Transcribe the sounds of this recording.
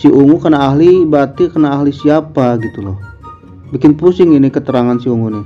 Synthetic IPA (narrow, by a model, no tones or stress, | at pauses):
siʔuŋukənaːɦlibat̪ikənaːɦlisiapaɡit̪ulɔh | bikɪnpusɪŋinikət̪əɾaŋansiuŋunɪ